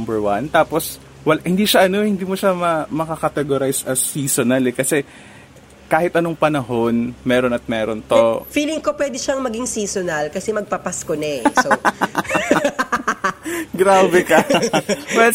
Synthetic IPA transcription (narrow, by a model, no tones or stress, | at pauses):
mbɛɹwɐnt̪aːpo̞s | wɐlʔhɪnd̪iːʃɐʔɐnohɪnd̪iːmoʃamɐmɐkɐkɐt̪ɛɡoɾajsɐsiːsonɐlɛkɐsɛ | kaːhɪt̪ʔɐnoŋpɐnɐɦo̞nmɛːɾo̞nɐt̪̚mɛːɾont̪ofiːlɪŋkopwɛːd̪ɪʃɐŋmɐɡiŋsiːsonɐlkɐsɛmɐɡ̚pɐpaskonɛso | ɡɾaːbɛkɐ | bɐt̪